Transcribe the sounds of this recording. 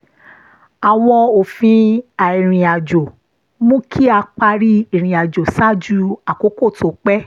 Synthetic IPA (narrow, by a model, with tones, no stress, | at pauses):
a˨w̃ɔ̃˧o˨fĩ˧a˨i˨ɾ̃ĩ˨a˨d͡ʒo˨ | mũ˦kʰi˦a˧k͡pa˧ɾi˦i˨ɾ̃ĩ˨a˨d͡ʒo˨sa˦d͡ʒu˧a˨ko˨˦ko˦˨to˨˦k͡pɛ˦